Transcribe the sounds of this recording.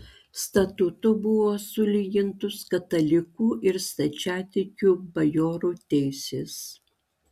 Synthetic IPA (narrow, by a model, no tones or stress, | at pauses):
st̪ɐt̪ʊt̪ʊbʊʋoːsʊlʲiɡʲɪnt̪ʊskɐt̪ɐlʲɪkuːʔɪɾst̪ɐt͡ʃʲæːt̪ʲɪkʲuːbɐjoːɾuːt̪ʲɛɪsʲeːs